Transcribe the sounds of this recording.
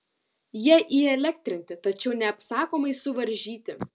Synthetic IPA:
jiɛʔiɛlʲɛk̚t̪ʲɾʲɪnʲt̪ʲɪt̪ɐt͡ʃʲɛʊnʲɛɐpsɑːkoːmɐɪsʊʋɐɾʲʒʲiːt̪ʲɪ

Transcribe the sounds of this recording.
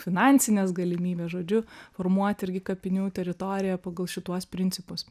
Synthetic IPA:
fʲɪnɑːnʲsʲɪnʲeːsɡɐlʲɪmʲiːbʲeːsʒoːd͡ʒʲʊfoːrmuɔt̪ʲɪɾʲɡʲɪkɐpʲɪnʲuːt̪ʲɛɾʲɪt̪oːɾʲɪjɛpɑːɡɐlˠʃʲɪt̪uɔspʲɾʲɪnʲt̪sʲɪpʊs

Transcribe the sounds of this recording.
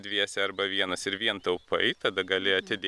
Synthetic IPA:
d̪ʲʋʲiɛsʲɛɐɾbɐʋʲiɛnɐssɪɾʋʲiɛnt̪ɐʊpɐ̰ɪt̪ɐd̪ɐɡɐlʲɪɐt̪ʲɪd̪ʲ

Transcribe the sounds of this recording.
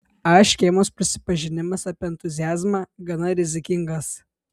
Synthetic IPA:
ɐʃkʲeɪmoːspʲɾʲɪsʲɪ̥pɐʒʲɪnʲɪmɐsɐpʲɪɛnt̪ʊzʲɪjæːzmɑːɡɐnɐɾʲɪzʲɪkʲɪŋɡɐs

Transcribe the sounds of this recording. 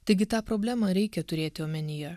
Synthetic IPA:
t̪ɐɪɡʲɪt̪ɑːpɾoːbʲlʲæːmɐɾʲɛɪkʲɛt̪ʊɾʲeːt̪ʲɪoːmʲɛnʲɪjɛ

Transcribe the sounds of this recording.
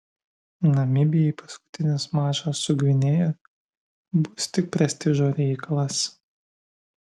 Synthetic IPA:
nɐmʲɪbʲɪjɛipɐskʊ̥t̪ʲɪnʲɪsmɑːʒosːʊɡʲʋʲɪnʲeːjɛ | bʊst̪ʲɪk̚pʲɾʲɛsʲt̪ʲɪʒoːɾʲɛɪkɐlˠɐs

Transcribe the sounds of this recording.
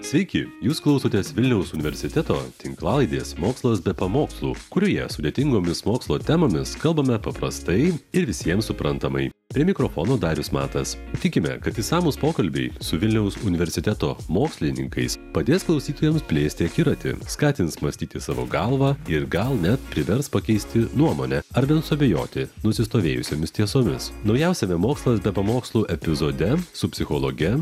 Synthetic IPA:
sʲʋʲɛɪkʲɪjuːsklˠɐʊsoːt̪ʲeːsʋʲɪlʲnʲɛʊsʊnʲɪʋʲɛɾʲsʲɪt̪ʲɛt̪oːt̪ʲɪŋklˠɑːlˠɐɪd̪ʲeːsmoːkslˠɐsbʲɛpɐmoːkslˠuːkʊɾʲoːjɛ̰sʊd̪ʲeɛt̪ʲɪŋɡoːmʲɪsmoːkslˠoːt̪ʲɛmoːmʲɪskɐlˠbɐmʲɛpɐpɾɐst̪ɐɪɪɾʋʲɪsʲiɛmsʊpɾɐnt̪ɐmɐ̰ɪ | pʲɾʲiɛmʲɪkɾofoːnoːd̪ɑːɾʲʊsmɑ̰ːt̪ɐst̪ʲɪkʲɪmʲɛ̰kɐt̪ɪsɑːmuːspoːkɐlʲbʲɛɪsʊʋʲɪlʲnʲɛʊsʊnʲɪʋʲɛɾʲsʲɪt̪ʲɛt̪oːmoːksʲlʲɪnʲɪŋkɐɪspɐd̪ʲeːsklˠɒʊsʲiːt̪oːjɛmspʲlʲeːsʲt̪ʲɪɐkʲiɾɐt̪ʲɪ̰skɑːt̪ʲɪnsmɐsʲt̪ʲiːt̪ʲɪsɑːʋo̰ːɡɐlˠʋɑːɪɾɡɐlˠnʲɛt̪pʲɾʲɪʋʲɛɾspɐkʲɛɪsʲt̪ʲɪnuɔmoːnʲɛɐɾʋʲɛnsʊɐbʲejo̰ːt̪ʲɪnʊsʲɪst̪oːʋʲeːjʊsʲoːmʲɪst̪ʲiɛsoːmʲɪsnɒʊjɛʊsʲɛmʲɛmoːkslˠɐsbʲɛpɐmoːkslˠuːʔɛpʲɪzoːd̪ʲɛsʊpʲsʲɪxoːlˠoɡʲɛ

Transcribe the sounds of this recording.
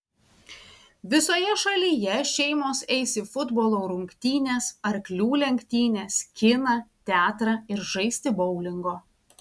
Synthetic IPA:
ʋʲɪsoːjɛʃɐlʲiːjɛʃʲɛɪmoːsɛɪsʲɪfʊd̪boːlˠoːɾʊŋʲkʲt̪ʲiːnʲeːsɐɾklʲuːlʲɛŋʲkʲt̪ʲiːnʲeːskʲɪnɐt̪ʲæːt̪ɾɐɪɾʒɐɪsʲt̪ʲɪbɔʊlʲɪŋɡoː

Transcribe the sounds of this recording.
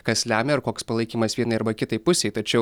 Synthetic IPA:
kɐslʲæːmʲɛɐɾkoːkspɐlˠɐɪkʲiːmɐsʋʲiɛnɐɪɐɾbɐkʲɪt̪ɐɪpʊsʲɛɪt̪ɐt͡ʃʲɛʊ

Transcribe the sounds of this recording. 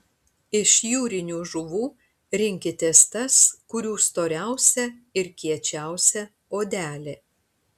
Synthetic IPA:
ɪʃjuːɾʲɪnʲuːʒʊʋuː | ɾʲɪŋʲkʲɪt̪ʲɛst̪ɐskʊɾʲuːst̪oːɾʲæˑʊsʲɛɪɾkʲiɛt͡ʃʲæˑʊsʲɛ | oːd̪ʲæːlʲeː

